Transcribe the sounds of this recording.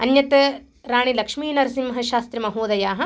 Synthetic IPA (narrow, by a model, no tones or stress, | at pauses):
ɐnjɐt̪ɐ | ɾaːɳilɐkʂmiːnɐɾɐsimɐɦɐʃaːst̪ɾimɐɦuːd̪ɐjaːɦɐ̆